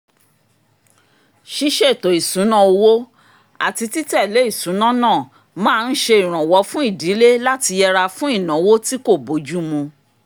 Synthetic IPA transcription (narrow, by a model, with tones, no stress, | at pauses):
ʃi˦ʃe˦˨to˨i˨sũ˨˦nã˦˨o˧wo˦ | a̰˨ti˧ti˦tɛ˦˨le˨˦i˦˨sũ˨˦nã˦nã˦˨ | mãː˦˧n̩˦ʃe˧i˨ɾ̃ã˨wɔ˧˦fũ˦i˦˨di˨˦le˦la˦ti˧jɛ˧ɾa˧fũ˦i˦˨nã˨˦wo˦ti˦ko˦˨bo˨˦d͡ʒu˦mũ˧